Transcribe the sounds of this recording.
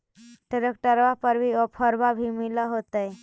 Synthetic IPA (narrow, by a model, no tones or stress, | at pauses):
ʈeɾək̚ʈəɾʋapəɾbʱiɔpʰəɾbabʱimiləɦot̪əj